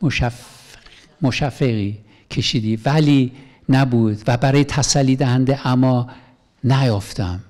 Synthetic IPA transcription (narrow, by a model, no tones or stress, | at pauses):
moʃæ | moʃæfːeɣiː | cʰe̞ʃiːd̪iːvæliː | næbuːd̪væbæɾɒːjet̪ʰæsælːiːd̪æhænd̪eʔæmːɒː | næjɒft̪æm